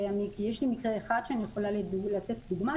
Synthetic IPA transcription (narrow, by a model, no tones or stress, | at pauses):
jamikijeʃlimikʁeːχad̥ʃeanijeχo̞lallat͡set̚duɡma